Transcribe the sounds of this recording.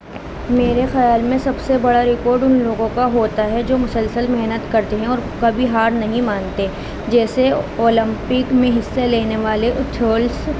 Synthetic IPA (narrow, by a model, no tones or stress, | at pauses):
meːɾexɐjaːlmẽsɐbsebɐɽaɾɪkɔːɾɖʊnloːɡõkaɦoːt̪aɦɛd͡ʒoːmʊsəlsəlmɛɦnət̪kɐɾt̪eɦɛ̃ɔːɾkɐbʱiɦaːɾnɐɦĩmãːnt̪e | d͡ʒɛːseoːlɪ̃mpɪkmẽɦɪsːeleːneʋaːleʔʊt̪ʰoːls